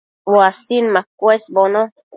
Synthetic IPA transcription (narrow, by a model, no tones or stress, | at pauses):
ɓoasinmakwɛsbɔnɔ